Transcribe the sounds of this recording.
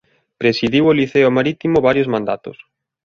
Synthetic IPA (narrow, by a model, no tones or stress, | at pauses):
pɾesiðiwoliθeʊmaɾit̪imoβaɾjozmãnd̪a̰t̪ʊ̰s